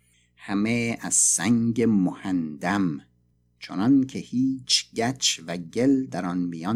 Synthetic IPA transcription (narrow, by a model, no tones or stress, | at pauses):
hæmeæz̥sæŋɟemohænd̪æm | t͡ʃʰonɒncʰehiːt͡ʃʰɟæt͡ʃʰvæɟeld̪æɾɒnmijɒː